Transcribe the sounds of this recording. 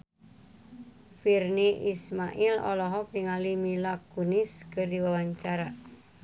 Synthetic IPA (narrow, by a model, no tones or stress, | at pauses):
firniʔismaʔilɔ̰lɔɦɔkriŋalimilakunɪskərdiwawaɲt͡ʃaɾa